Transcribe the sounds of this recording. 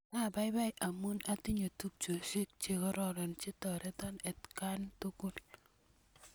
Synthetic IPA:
a˦˨ba˦jba˦jʔa˨mu˦na˦ti˦ɲo˨tu˦p̚t͡ʃo˨ʃe˦k̚t͡ʃe˨kɔ˦ɾɔ˦ɾɔ˨nt͡ʃe˦tɔ˨ɾɛ˦tɔ˦nɛ˨tka˦ntu˦ko˦˨l

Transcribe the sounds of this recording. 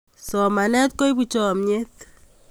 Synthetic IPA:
sɔ˨ma˨nɛ˦t̪̚ko˦i˦bu˦˨t͡ʃɔ˨mɲe˦t̪

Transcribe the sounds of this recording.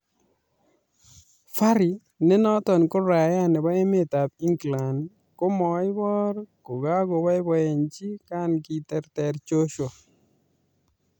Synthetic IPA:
fa˦ɾi˨ | nɛ˦nɔ˦t̪ɔ˨nko˦ɾa˨ja˦nɛ˨ba˦e˦me˦t̪a˨pi˦ŋɡla˨n | ko˦mɔ˨ɪ˦bɔ˦ɾko˨ɡa˦ɡo˨ba˦ɪ˦bɔ˦e˨nt͡ʃi˦ka˦nki˨tɛ˨ɾtɛ˨ɾt͡ʃo˦ʃo˨

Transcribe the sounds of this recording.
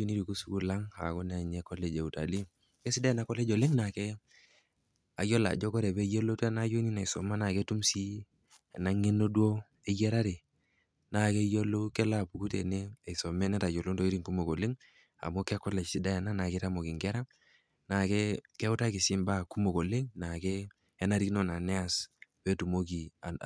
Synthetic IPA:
u˦ni˦ɾi˨ku˦su˨ku˦la˦ŋa̰˨kɔ˦n˨a˨ɲɛ˦kɔ˦le˨d͡ʒe˨u˨ta̰˨li˦ | kɛ˦sɪ˦da˦jna˦kɔ˦lɛ˦d͡ʒo˨lɪ˦ŋna˨kɛ˦ | a̰˨jɔ˦la̰˨d͡ʒɔ˦kɔ˦ɾɛ˨bɛ˦jo˦lo˦tɛ˦na˦jo˦ni˦na˨i˨sɔ˨ma˦na˨ke˦tu˦msi˦˨ | na˦ŋe˦no˦dwo˦ | e˦jɛ˦ɾa˦ɾe˨ | na˨ke˦jo˦lo˦kɛ˦la˦˨pu˨ku˦tḛ˨ne˦e˨sɔ˨mɛ˦nɛ˦ta˨jo˨lo˦nto˦i˦ɾi˦ŋku˦mo˨ko˨le˦ŋ | a̰˨mo˦kɛ˦kɔ˦lɛ˨sɪ˦da˦ja˨na˦na˨ke˦ta˦mo˨ki˨ŋɡɛ˦ɾa˦ | na˨kɛ˦kɛ˦ʊ˦ta˦kɪ˨sɪ˦mba˦˨ku˦mo˨ko˨le˦ŋna˨kɛː˦ | na˦ɾki˦no˦na˨nɛ˦a˨spɛ˦tu˨mo˦k̬i˨a˨

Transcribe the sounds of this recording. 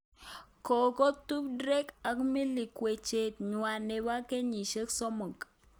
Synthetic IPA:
kɔ˨kɔ˦tu˦p̚dɾɛ˦ka˨kmi˦li˨kwe˨t͡ʃe˨t̚ɲwa˨ne˨wa˦ke˦ɲi˨ʃə˦ksɔ˦mo˨k

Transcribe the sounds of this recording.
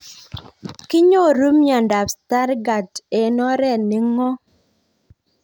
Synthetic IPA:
kɪ˦ɲo˦˨ɾu˦mjɔ˨nda˨psta˦ɾɡa˨te˨nɔ˦ɾɛ˦˨nɪ˨ŋɔ˦

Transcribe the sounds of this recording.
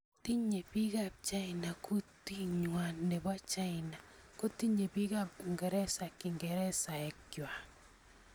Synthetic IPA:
ti˦ɲe˨pi˦ɡa˨p̚t͡ʃa˦ɪna˨ku˦ti˦ɲwa˨nːɛ˨bwa˦t͡ʃa˦ɪna˨ | ko˦ti˦ɲe˨pi˦ɡa˦pŋɡɛ˨ɾɛ˦sa˨kɪ˨ŋɡɛ˨ɾɛ˦sa˨ɛ˨kjwa˨

